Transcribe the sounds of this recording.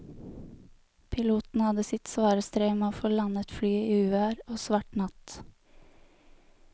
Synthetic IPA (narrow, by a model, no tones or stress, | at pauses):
pʰɪluːt̪n̩hɑd̪əsɪt̪sʋɑːɾəst̪ɾeːmeːoːfoːlɑnət̪flyːiːʉːæːɾoːsʋɑʈnɑt̪